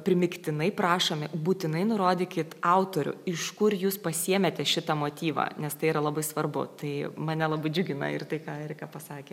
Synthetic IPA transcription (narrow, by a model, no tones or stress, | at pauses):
pʲɾʲɪmʲɪkt̪ʲɪnɐɪpɾɑːʃoːmʲɪbuːt̪ʲɪnɐɪnʊɾoːd̪ʲɪːkʲɪt̪ɑʊt̪oːɾʲʊ̰ɪʃkʊrjuːspɐsʲiɛmʲɛt̪ʲɛʃʲɪt̪ɐmoːt̪ʲiːʋɐ̰nʲɛst̪ɐɪiɾɐlˠɐbɐɪsʋɐrbʊ̰t̪ɐɪmɐnʲɛlˠɐbɐɪd͡ʒʲʊɡʲɪnɐ̰ɪ̰rt̪ɐɪkɑːɛɾʲkɑːpɐsɑːkʲeː